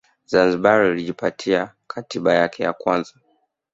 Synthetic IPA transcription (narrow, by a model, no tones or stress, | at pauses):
zanziɓaɾɔiliʄipatʰia | kʰatiɓajakʰɛja̰kwanza